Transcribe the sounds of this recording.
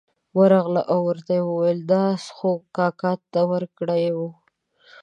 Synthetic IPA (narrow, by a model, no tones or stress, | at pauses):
wəɾɑɣlaʔawəɾt̪ajewəwajeld̪ɑsxokɑkɑt̪ːawəɾkɽəjwu